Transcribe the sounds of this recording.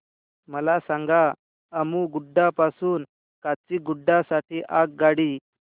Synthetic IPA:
məlasãŋɡaː | muɡuɖːapasuːn | kat͡ɕiːɡuɖːasaʈiːʔak̚ɡaɽiː

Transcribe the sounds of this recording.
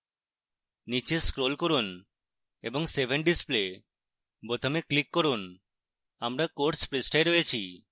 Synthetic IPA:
nit͡ɕeskɾolkoɾun | ḛboŋsebʱeɳɖisple | pot̪ʰomeklikːɔɾun | amɾakoɾʈspɾesʈaeɾoet͡ɕʰi

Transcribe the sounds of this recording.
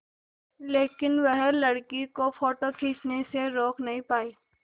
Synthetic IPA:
leːkɪnʋəɦlɐɽkikofoːʈokʰiːsneseɾɔːkʰnɐɦĩpaːiː

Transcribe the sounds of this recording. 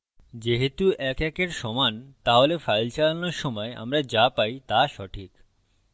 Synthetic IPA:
d͡ʑeɦet̪uʔɛkɛkeɾʃɔmant̪aɦolefajlt͡ɕalanoɾʃɔmɔea̰mɾad͡ʑapajt̪aʃɔʈʰik

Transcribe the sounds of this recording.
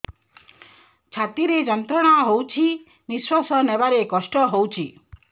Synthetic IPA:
t͡ʃʰat̪iɾed͡ʒɔnt̪ɾɔɽ̃aɦowt͡ʃʰi | niswɔsɔnebaɾekɔsʈɔɦowt͡ʃʰi

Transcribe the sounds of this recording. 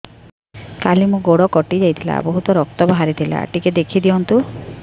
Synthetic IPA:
kalimũɡoɽɔkɔʈid͡ʒajt̪ʰila̰bɔɦut̪ɔɾɔk̚t̪ɔbɔɦaɾit̪ʰila̰ʈiked̪ekʰid̪iɔnt̪u

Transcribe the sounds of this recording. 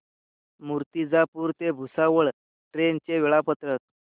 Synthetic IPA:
muɾt̪id͡zapuːɾt̪ebʱusaʋəɭ | ʈɾent͡ɕeʋeɭapət̪ɾət̪̚

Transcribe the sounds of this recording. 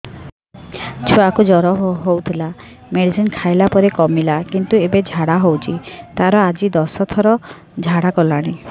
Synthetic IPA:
t͡ʃʰuakud͡ʒɔɾɔɦɦowt̪ʰila | meɽisinkʰajlapɔɾekɔmilakint̪uebed͡ʒʱaɽaɦowt͡ʃʰit̪aɾɔad͡ʒid̪ɔsɔt̪ʰɔɾɔ | d͡ʒʱaɽakɔlaɽ̃i

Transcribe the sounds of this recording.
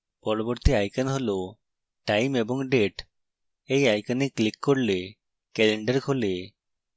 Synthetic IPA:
pɔɾoboɾt̪iajkanɦolo | ʈajmebɔŋɖeʈ | ejajkaneklikːɔɾle | kɛleɳɖəɾkʰole

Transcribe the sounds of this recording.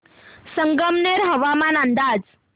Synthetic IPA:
səŋɡəmneɾɦəʋamanand̪ad͡z

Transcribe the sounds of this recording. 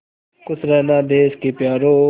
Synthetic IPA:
kʊsɾɛːnãːd̪eːskeːpjaːɾoː

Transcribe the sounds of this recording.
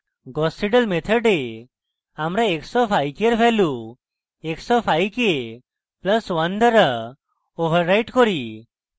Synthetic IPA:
ɡɔsʈiʈəlmet̪ʰəɖe | amɾaeksɔpʰajkeɾpʰɛlu | eksɔpʰajke | pləswand̪əɾa | obʱəɾːajʈkɔɾi

